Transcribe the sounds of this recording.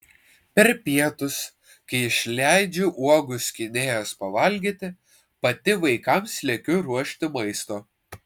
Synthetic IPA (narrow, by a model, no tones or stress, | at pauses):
pʲɛɾpʲiɛt̪ʊs | kɐɪɪʃʲlʲæɪd͡ʒʲʊʔuɔɡʊsʲkʲɪnʲeːjospɐʋɐlʲɡʲit̪ʲɪ | pɐt̪ʲɪʋɐɪkɐmsʲlʲɛkʲʊɾuɔʃʲt̪ʲɪmɐɪst̪oː